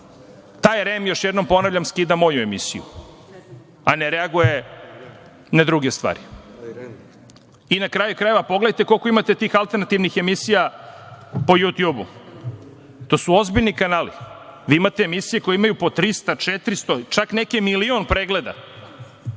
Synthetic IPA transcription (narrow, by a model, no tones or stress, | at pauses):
t̪aːjɾemjoʃjed̪no̞mpo̞navʎʲamskiːd̪amo̞jue̞misijṵ | aneɾeaɡuje | nad̪ɾuɡest̪ʋa̰ːɾi | inakɾaːjukɾaje̞ʋapo̞ɡleajt̪e̞ko̞lko̞imat̪e̞t̪iːxalˠt̪eɾnat̪iʋnixe̞misija | po̞jut̪juːbṵ | t̪o̞suo̞zbiʎnikanaːlḭʋiːimat̪eːmisije̞ko̞jeimajupo̞t̪ɾist̪at͡ʂet̪ɾist̪ot͡ʃaknekemilio̞npɾeɡle̞d̪a̰